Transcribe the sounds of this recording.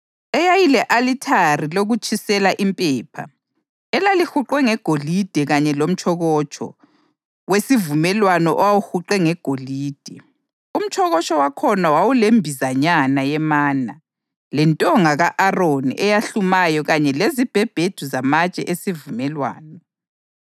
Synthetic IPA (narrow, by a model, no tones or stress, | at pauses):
ɛjajilɛʔalitʰariloɣut͡ʃʰʼisɛlaʔimpʼɛːpʰa̰ | ɛlalixuǃwɛŋɛɡ̥ʱolid̥ʱɛɣaɲɛlom̩t͡ʃʼʰɔɣɔt͡ʃʰʼɔ̰ | wesivumɛlwanɔʔɔwawuxuǃɛŋɛɡ̥ʱoliːd̥ʱɛ | um̩t͡ʃʰʼɔɣɔt͡ʃʼɔwakʰɔnawawulembʱizaɲanajɛmaːna | lɛntʼɔŋaɣaʔaronḭʔɛjaɬumajɔɣaɲɛlezib̥ʱɛb̥ʱed̥ʱuzamat͡ʃʼɛ̰ʔesivumɛlwa̰ːnɔ